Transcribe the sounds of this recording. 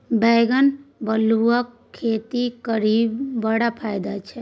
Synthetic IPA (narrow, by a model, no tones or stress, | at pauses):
beːɡənbəluəkʰːeːt̪ikəɾiːbbːəɽapʰaːjd̪at͡ʃʰɛ